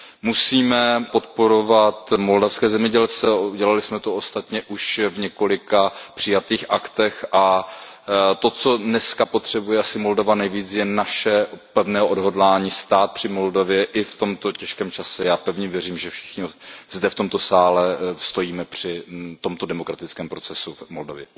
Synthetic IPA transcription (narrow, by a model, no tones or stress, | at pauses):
musiːmɛpo̞t̪po̞ɾo̞vat̪mo̞ldafskɛːzɛmɲɛɟɛlt͡sɛuɟɛlalɪsmɛt̪oost̪at̪ɲɛʔuʃvɲɛko̞lɪkapr̝̥ɪjat̪iːxʔakt̪ɛxʔa | t̪o̞t͡so̞dnɛskapot̪r̝̥ɛbujɛʔasɪmo̞ldovanɛjviːt͡sjɛnaʃɛpɛvnɛːɦoʔodɦo̞dlaːɲiːst̪aːt̪̚pr̥ɪmo̞ldovjɛʔɪft̪o̞mt̪o̞cɛʃkɛːmt͡ʃasɛjaːpɛvɲɛvjɛriːmʒɛfʃɪ̥xɲozdɛft̪o̞mt̪o̞saːlɛst̪o̞jiːmɛpr̝̥ɪt̪o̞mt̪o̞dɛmokɾat̪ɪt͡skɛːmpɾo̞t͡sɛsumoldovjɛ